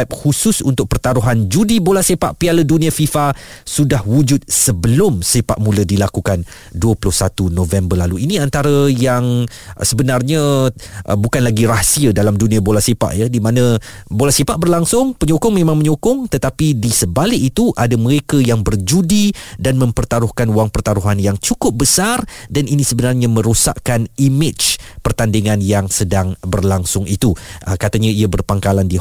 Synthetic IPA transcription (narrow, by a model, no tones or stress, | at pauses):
p̚husʊsunt̪ʊk̚pərt̪aɾuɦand͡ʒudibolasepaʔpialədunĩafifasudahwud͡ʒʊt̪̚səbəlʊmsepa̰ʔmũlədilakukan | duəpulʊhsat̪unovɛmbərlaluiniant̪aɾəjaŋ | səbənarɲaʔbukanlaɡiɾasiədalamdunĩabolasepa̰ʔjadimãnə̃ | bolasipaʔbərlaŋsʊŋpəɲokʊŋmẽmãŋməɲokʊŋt̪ət̪apidisəbalɪʔit̪uʔadaməɾekajaŋbərd͡ʒudidanmə̃mpərt̪aɾʊhkanuaŋpərt̪aɾuɦanjaŋt͡ʃukʊp̚bəsardaninisəbənarɲamə̃ɾusa̰ʔkanimɪt͡ʃpərt̪andiŋãnjaŋsədaŋbərlaŋsʊŋit̪uʔəkat̪aɲaiabərpaŋkalandi